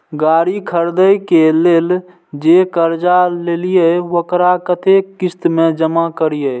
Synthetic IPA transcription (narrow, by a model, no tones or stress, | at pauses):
ɡaːɾikʰəɾd̪əjkeleːl | d͡ʒekəɾd͡ʒalelijeʋokɾakət̪ekːist̪mẽd͡ʒəmakəɾijə